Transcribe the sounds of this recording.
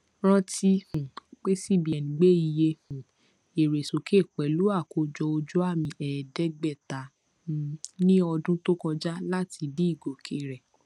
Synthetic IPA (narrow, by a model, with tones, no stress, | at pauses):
ɾ̃ã˧ti˧hũ˨k͡pe˦si˦˨bi˨ɛ˨nĩ˨ɡ͡be˦i˧je˧hũ˨ | e˨ɾe˨so˨kʰe˦˨kɛ˨lu˦a˦˨ko˨˧d͡ʒɔ˧o˧d͡ʒo˦a˦˨mĩ˧ɛ˨dɛ˦ɡ͡bɛ˦˨ta˨˦˧ | nĩ˦ɔ˧dũ˦to˦kɔ̃˧d͡ʒa˦la˦tʰi˧di˦i˦˨ɡo˨kʰe˦˨ɾɛ˨